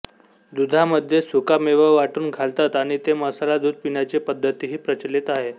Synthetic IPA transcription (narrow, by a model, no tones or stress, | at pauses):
d̪ud̪ʱaməd̪ʱjesukameʋəʋaʈuːnɡʱalt̪at̪aɽ̃it̪eməsalad̪uːd̪̚ʱpiɳjat͡sepəd̪ʱːət̪iɦiːpɾət͡ɕəlet̪aɦe